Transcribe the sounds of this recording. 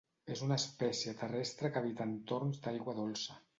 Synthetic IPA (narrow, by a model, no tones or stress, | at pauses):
ezunəspɛsijət̪ərɛst̪ɾəkəaβ̞it̪ant̪oɾnzd̪ajɣwəðolˠsə